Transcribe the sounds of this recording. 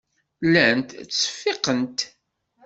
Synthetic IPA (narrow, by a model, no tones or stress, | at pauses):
lænt̪t͡sːə̥fːɪqənt̪